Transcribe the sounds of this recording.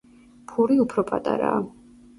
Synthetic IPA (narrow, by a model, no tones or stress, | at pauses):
pʰuɾiupʰɾɔpʼat̪ʼaɾaː